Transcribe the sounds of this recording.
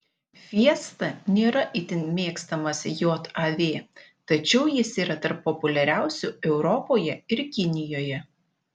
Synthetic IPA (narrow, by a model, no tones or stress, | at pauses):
ʋʲiɛst̪ɐnʲeːɾɐʔɪt̪ʲɪnmʲeːkst̪ɐmɐsʲjoːt̪ɐʋʲeː | t̪ɐt͡ʃʲɛʊjɪsiːɾɐt̪ɐɾpːɔpʊlʲɛɾʲæˑʊsʲuɛʊɾɔpoːjɛɪɾkʲɪnʲɪjoːjɛ